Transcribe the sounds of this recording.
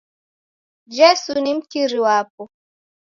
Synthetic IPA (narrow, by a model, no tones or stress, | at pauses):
d͡ʒɛsunim̩tiɾiwap̚ɔ